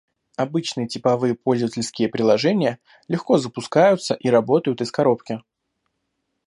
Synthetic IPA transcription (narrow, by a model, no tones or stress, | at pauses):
ɐbɨt͡ɕnɨjətʲɪpɐvɨjəpo̞lʲzəvətʲɪlʲskʲɪjəpɾʲɪlˠɐʐɛnʲɪjə | lʲɪxko̞zəpʊskajʊt̪səʔiɾɐbo̞t̪əjʊt̪ɪskɐɾo̞pkʲɪ